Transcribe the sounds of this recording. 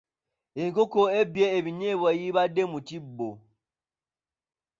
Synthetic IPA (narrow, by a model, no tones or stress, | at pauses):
ekokoebjeeβiɲeβajiβademut͡ʃibo